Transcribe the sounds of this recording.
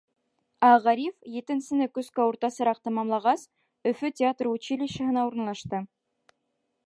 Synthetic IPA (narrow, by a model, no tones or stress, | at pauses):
æʁæɾʲifjĕt̪ɘ̆nsɘ̆nɘkɵ̆skæuɾt̪ɑsɤ̆ɾɑq̚t̪ɑmɑmlˠɑʁɑs | ɵ̆fɵtʲɪat̪rut͡ɕilʲiʃɑ̆hɤ̆nɑuɾɤ̆nlˠɑʃt̪ɤ